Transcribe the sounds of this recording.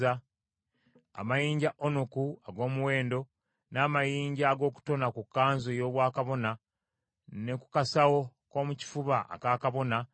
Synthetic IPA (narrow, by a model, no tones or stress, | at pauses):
a | a̰majiːɲɟaʔonokuaɡo̞ːmuwe̞ːndo̞ | naːmajiːɲɟaːɡo̞ːku̥to̞nakukːaːnzojo̞ːβwaːkaβo̞na | ne̞ku̥kasawo̞ko̞ːmuci̥fuβaʔa̰kaːkaβo̞na